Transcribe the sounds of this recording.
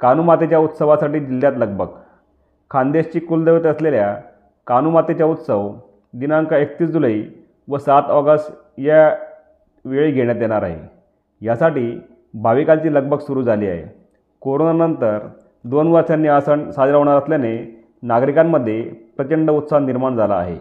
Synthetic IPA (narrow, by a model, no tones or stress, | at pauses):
kanumat̪et͡ɕjaut̪səʋasaʈiːd͡ʑilːjat̪ləɡ̚bʱəɡ | kʰand̪eɕt͡ɕiːkuld̪əʋət̪əslelja | kanumat̪et͡ɕjaut̪səʋ | d̪inaəŋkaek̚t̪iːsd͡zuləi | ʋəsat̪ɔɡəsʈ | ja | ʋeɭiːɡʱeɽjat̪jeɽ̃aɾaɦḛ | jasaʈiː | bʱaʋikalt͡ɕiːləɡ̚bʱəɡsuɾuːd͡zʱaliːa̰ɦḛ | koɾonanənt̪əɾ | d̪onʋəɾsjanːiːasəɳsad͡zɾaɦoɳ̃aɾəsljane | naɡɾikamːəd̪ʱːjepɾət͡ɕəɳɖəut̪saniɾmaɳd͡zala̰ːɦḛ